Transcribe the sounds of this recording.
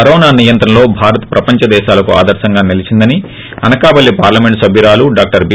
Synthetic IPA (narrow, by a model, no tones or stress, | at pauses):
ɐɾɔːnaːnijɐnt̪ɾɐmlo̞ːbʱaːɾɐt̪pɾɐpɐɲt͡ʃɐd̪ɛːʃaːlɐkua̰ːd̪ɐɾʃɐŋɡaːnilit͡ʃind̪ɐni | ɐ̰nɐkaːbɐlːipaːɾlɐmeɳʈsɐbʱiɾaːluɖaːk̚ʈɐɾb